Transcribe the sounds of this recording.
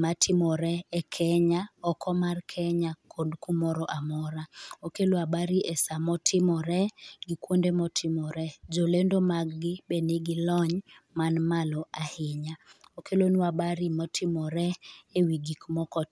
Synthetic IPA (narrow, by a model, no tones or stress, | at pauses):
matʰɪmɔɾɛɛkʰɛɲaɔkɔmarkʰɛɲakʰondkumɔɾɔʔamɔɾaokeloabaɾiʔɛsamɔtʰɪmɔɾɛɡikwondemɔtʰɪmɔɾɛd͡ʒolendomaɡɡɪbeniɡilɔɲmanmalɔahɪɲaokʰelonuabaɾimɔtʰɪmɔɾɛewiɡikmɔkɔ